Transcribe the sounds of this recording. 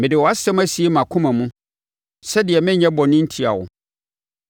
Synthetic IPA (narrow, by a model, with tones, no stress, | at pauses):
mɪ̃˨dɪ˨wɔ˨a˦sɛ̃˦mæ˦si˨e˦mã˨kʰʊ̃˦mã˨mũ˦ | sɛ˦dɪ˨ɛ˨mɪ̃˦ɲɛ̃˦bɔ˨nɪ̃˦n̩˦tʰi˨a̰˨wʊ̰˨